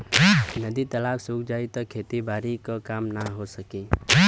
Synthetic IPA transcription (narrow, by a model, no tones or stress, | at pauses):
nəd̪it̪əlaːksuːkd͡ʒaːit̪ɔkʰeːt̪ibaːɾikəkaːmnaɦosəki